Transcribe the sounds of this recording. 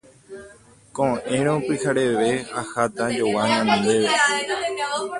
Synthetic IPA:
kõʔẽɾ̃õpɨhaɾeʋe̞ahat̪ad͡ʒowaɲãñnd̪eʋe

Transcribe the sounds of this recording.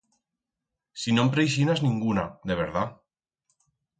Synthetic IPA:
sinompɾejʃ̬inaznĩŋɡunaðeβ̞eɾða

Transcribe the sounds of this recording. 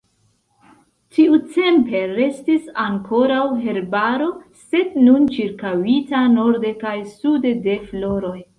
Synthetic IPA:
tiut͡se̞mpe̞ɾe̞stisaŋkʰo̞ɾawɦe̞ɾbaɾo̞se̞dnunt͡ʃiɾkawitano̞ɾdekajsudede̞flo̞ɾo̞j

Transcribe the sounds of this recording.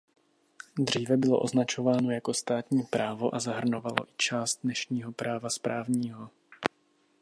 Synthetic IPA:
d̪r̝̥iːvɛbɪloʔo̞znat͡ʃo̞vaːno̞jako̞st̪aːt̪ɲiːpɾaːvo̞ʔazaɦr̩no̞valo̞̰ʔɪt͡ʃaːst̪̚dnɛʃɲiːɦo̞pɾaːvaspɾaːvɲiːɦo̞

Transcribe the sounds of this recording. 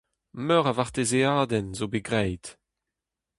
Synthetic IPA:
mœʁavaʁt̪ezeaːdɛnzobeɡʁɛjd

